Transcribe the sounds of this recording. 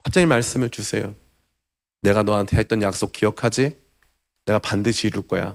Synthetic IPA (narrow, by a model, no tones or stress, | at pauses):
ɸap̚t͡ɕ͈ʌŋimaɭs͈ɯmɯɭt͡ɕusʰe̞jo̰ | ne̞ɡanʌantʰeɦet̚t͈ʌnjak̚s͈ok̚k͈ijʌkʰad͡ʑi | ne̞ɡapandɯɕʰiːɾuɭk͈ʌja̰